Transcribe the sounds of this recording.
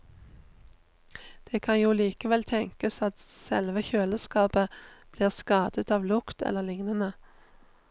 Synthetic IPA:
d̪̥eːkʰɑnjuːliːkəʋɛlt̪ʰɛŋkəsɑt̪sɛ̰lʋəçøːləskɑːpəb̥liːʁskɑːd̪ət̪ɑːʋlʊkt̪ʰɛ̰lːəʁlɪŋnənə

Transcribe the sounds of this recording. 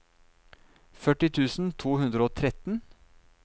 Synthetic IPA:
fœʈɪt̪ʰʉːsn̩t̪ʰuːhʉnd̪ɾəoːt̪ʰɾɛt̪n̩

